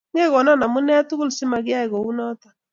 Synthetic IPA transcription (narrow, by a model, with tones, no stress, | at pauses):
ŋe˦ɣɔ˨nɔ˦na˨mu˦nɛ˦tu˦ɣu˦lsi˦ma˨ɣɪ˦a˦ɪ˨ɣo˨u˦nɔ˦tḁ˦˨